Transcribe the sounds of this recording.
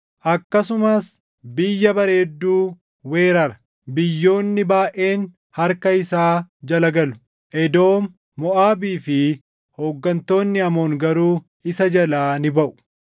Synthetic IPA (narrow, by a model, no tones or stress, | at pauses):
ʔɐkːɐsʊmɐs | bɪjːɐbɐɾe̞ːd̪ːuː | we̞ːɾɐɾɐ̥ | bɪjːo̞ːnːɪbaːʔe̞ːn | hɐɾkɐɪsaːd͡ʒɐlɐɡɐlʊ̥ | ʔɛd̪o̞ːmː | ɔʔaːbiːfɪ | hoːɡːɐnt̪o̞ːnːɪɐmo̞ːŋɡɐɾuː | ɪsɐd͡ʒɐlaːnɪbɐʔʊ̥